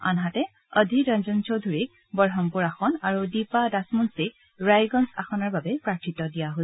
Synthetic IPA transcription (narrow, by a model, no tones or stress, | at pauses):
a̰nɦatɛ | ɔdʱidɔnzɔnt͡ʃɔwdʱuɹik̚ | bɔɹɦɔmpʊɹaxɔnaɹudipadasmunsik | ɹajɡɔnsa̰xɔnaɹbabɛpɹaɹkʰitɔdijaɦo